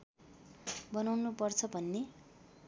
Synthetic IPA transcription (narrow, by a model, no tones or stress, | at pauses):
bʌnawnupʌrt͡sʰʌbʱʌnːe